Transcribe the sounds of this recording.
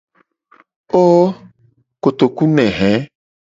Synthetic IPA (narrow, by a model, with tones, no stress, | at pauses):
o˦ | ko˨t̪o˨ku˦nɛ̃˨ɦɛ̃˨˦